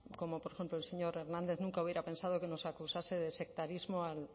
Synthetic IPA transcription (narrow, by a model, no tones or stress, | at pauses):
ko̞mo̞poɾexe̞mploelse̞ɲo̞ɾeɾnãnd̪eθnuŋkauβjeɾape̞nsað̞o̞ke̞no̞sakusase̞ðese̞k̚t̪aɾizmoal